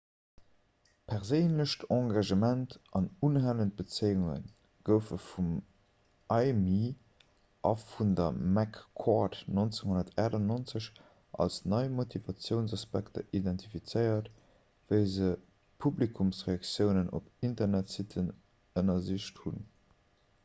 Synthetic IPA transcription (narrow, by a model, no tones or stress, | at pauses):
pʰɛʁzəɪnləɕtɑ̃ɡɑʒəmæntɑnunɦælənt̚b̥ət͡səɪuŋə̰n | ɡ̥əʊfəfum | ʔɑɪmi | ʔɑ̰fundɐmækʰːɔtnont͡seŋɦondɐtʰæːdɑnont͡səɕ | ʔɑ̰lsnɑɪmotʰivɑt͡sjəʊnzɑspæktɐ̰ʔidɛntʰifit͡sɜɪɐt | vəɪzə | pʰublikʰumsʁeɑkt͡sjəʊnəno̰pintɐʁnætsitʰən | ənɐziʃthun